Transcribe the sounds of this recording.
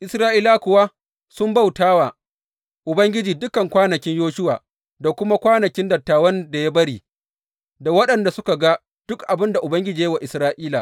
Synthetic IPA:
ʔɪ˨sɾaː˦ʔiː˦la˦kʷʊ˨wa˦ | sʊ˦mba˦˨wtaː˦wa˨ | ʔʊ˨bɐ˦ŋɡʲɪ˦d͡ʒiː˨dʊ˦kɐ˨ŋkʷaː˦nɐ˨kʲɪ˦ɲjoː˦ʃʊ˦wa̰ː˨ | da˨kʷʊ˦ma˦kʷaː˦nɐ˨kʲɪ˦ndɐ˨tːaː˨wɐ˦nda˨ja˦bɐ˦ɽiː˨ | da˨wɐ˦ɗɐ˨nda˨sʊ˦ka˨ɡa˦ | d̥ʊ˦kʔa˨bɪ˦nda˨ʔʊ˨bɐ˦ŋɡʲɪ˦d͡ʒiː˨jɐ˦wa˨ʔɪ˨sɾaː˦ʔiː˦la˨ʔ

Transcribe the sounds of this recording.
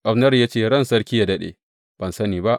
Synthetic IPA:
ʔa˨bnɐ˦rjaː˦t͡ʃeː˦˨ɽɐ˦nsɐ˦ɽkʲi˦ja˨dɐ˦ɗḛː˨ | b̥ɐ˨nsɐ˦niː˨ba˦ʔ

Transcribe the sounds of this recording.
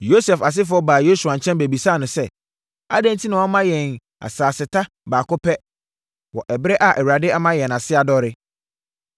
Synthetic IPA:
jo˦sɛ˨fa˨s̬ɪ˦fʊ˨˦ɔ˦baː˨jo˦su˨a˨ɲ̩˨t͡ɕʰɛ̃˦nbæ˨bi˨saː˦˨nʊ̃˨sɛ˦ | a̰˦dɛ̃˦n˦tʰi˦nʊ̃˨a˦mã˦jɛ̃˨n | a̰˨saː˨sɪ˨tʰa˦ | baː˨kʊ˦pʰɛ˦ | wɔ˨ʔɛ˨bɪ˦ɾɛ˦ʔa˨ʔɛ˨wu˨ɾa˨dɪ˦a˦mã˦jɛ˨n˨a˨sɪ˦a˨dɔ˦ɾɪ˦

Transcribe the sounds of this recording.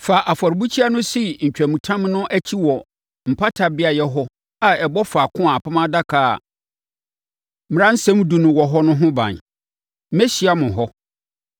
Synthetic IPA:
fa˨ʔa˨fɔ˨ɾbu˦t͡ɕʰi˦a˦nʊ̃˦si˦ɲ̩˨t͡ɕᶣæ˨mũ˨tʰã˦mnʊ̃˦ʔæ˦t͡ɕʰi˦wɔ˨ | m̩˨pʰa˦tʰa˨bɪ˦a˨jɛ˦ɦɔ˦ | a˨ɛ˨bɔ˦fa˨kʰʊ̃˦a˨pʰa˦mã˦da˦kʰa̰ː˨ | m̩̃˨ɾã˦n̩˦sɛ̃˦m˦du˨nʊ̃˨wɔ˨ɦɔ˦nʊ̃˦ɦʊ̃˦bã̰˨n˦ | mɛ˦ɕi˨˦a˦mʊ̃˨ɦɔ˦

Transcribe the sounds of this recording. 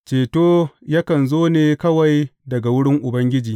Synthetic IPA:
t͡ʃeː˨toː˦jaː˦kɐ˨nzoː˦neː˨kɐ˦wa˨jdɐ˨ɡa˨wʊ˦ɽɪ˦ŋʔʊ˨bɐ˦ŋɡʲɪ˦d͡ʒiː˨

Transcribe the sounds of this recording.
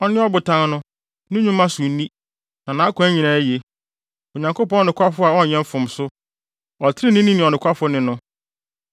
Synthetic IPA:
ɔ˦nɪ̃˦ɔ˦bʊ˨tʰã˦nnʊ̃˦ | nʊ̃˦ɲũ˦mː˦ã˦sʊ˨n˦nĩ˦ | nã˨nã˨˦kʰʊ̃˨˦æ˦ɲĩ˨nãː˦je˨ | o˨ɲã˨ŋkʰo˦pɔ̃˦nɔ˦˨ɪ̃˨kʰʷa˦fʊ˦a˨ɔ˦˨ɲɛ̃˦m˦fʊ̃˨msʊ˦ | ɔ˨tʰɪ˦ɾɪ˦nĩ˦nĩ˦nɪ̃˨ɔ˨nɪ̃˨kʷʰa˦fʊ˦nɪ̃˨nʊ̃˦

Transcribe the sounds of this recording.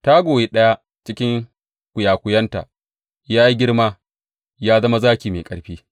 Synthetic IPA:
ta˦ɡʷoː˨je˦ɗɐ˦ja˦ | t͡ʃɪ˦kʲɪ˦ŋ | kʷʊ˨jaː˨kʷʊ˨jɐ˦nta̰˨ | jaː˦ji˦ɡʲɪ˦ɽma˦ | jaː˦zɐ˦ma˦zaː˦kʲiː˨mḛː˨kʼɐ̰˨ɽɸiː˦

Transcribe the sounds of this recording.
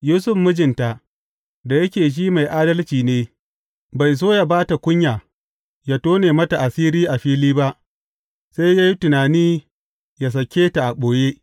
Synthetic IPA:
juː˦sʊ˦ɸmʊ˦d͡ʒɪ˨nta˨ʔ | da˨jɐ˦kʲeː˨ʃ̬iː˦ma˨jʔaː˦dɐ˦lt͡ʃiː˨neː˦ | ba˨js̬oː˦ja˨baː˦ta˨kʷʊ˦ɲjaː˨ | ja˦toː˦neː˨mɐ˦ta˨ʔa˨siː˦ɾiː˦ʔa˨ɸiː˦liː˦ba˦ʔ | sa˦jja˦ji˦tʊ˨naː˨niː˦ | ja˨s̬ɐ˨kʲeː˦ta˨ʔa˨ɓoː˨je˦

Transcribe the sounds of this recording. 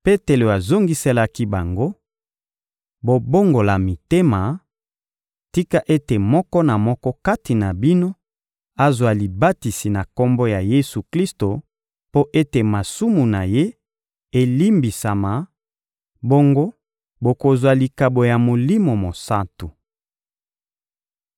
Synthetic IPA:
pe˦te˨lo˨a˨zo˦ŋɡi˦se˦la˦ki˦ba˨ŋɡo˦ | bo˨bo˦ŋɡo˨la˨mi˨te˦ma˨ | ti˦ka˦ʔe˦te˨mɔ˦kɔ˦na˨mɔ˦kɔ˦ka˦ti˨na˨bi˦no˦ | a˦zwa˨li˨ba˦ti˨si˨na˨ko˦mbo˦ja˨je˦su˨kli˦sto˨ | po˦ʔe˦te˨ma˨su˦mu˨na˨je˦ | e˨li˦mbi˨sa˨ma˨ | bo˦ŋɡo˦ | bo˨ko˨zwa˨li˨ka˨bo˨ja˨mo˨li˦mo˨mo˨sa˦tu˨

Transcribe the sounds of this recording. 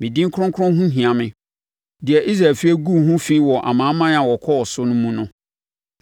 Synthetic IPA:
mɪ̃˨dĩ˦ŋ̩˦kʰɾʊ̃˦ŋkʰʊ˦ɾʊ̃˦ɦũ˦ɦĩ˨ã˨mɪ̃˦ | dɪ˨ɛ˨ʔi˦sɾa˨lfi˦e˦ɡu˦˨ɦũ˦fĩ˦wɔ˨ʔa̰˨mãː˨˦mã˦n˦ã˨wɔ˨kʰɔ˦ɔ˨sʊ˦nʊ̃˦mũ˦nʊ̃˦

